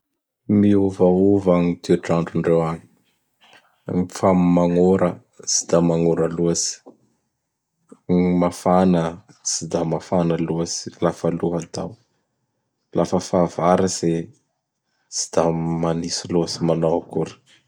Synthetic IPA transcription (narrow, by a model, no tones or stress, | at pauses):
miuvauvaŋit̪iaʈ͡ʂaɳɖ͡ʐuɳɖ͡ʐewaɲi̥ | ifammaŋoɾə | si̥d̪̥amaŋoɾəluasi̥ | mafanə | sid̪amafanəluasi̥lafəluɦad̪a̰w | lʔafəfavaɾəse | si̥d̪̥amanisiluasimanowakuɾi̥